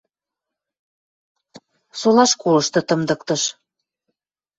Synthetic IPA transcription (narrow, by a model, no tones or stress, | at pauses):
solɑʃkolɤʃt̪ɤ̆t̪əmd̪ɤ̆kt̪ɤ̆ʃ